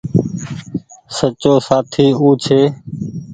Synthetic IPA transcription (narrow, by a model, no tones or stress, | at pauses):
sət͡ʃoːsaːt̪ʰiːuːt͡ʃʰeː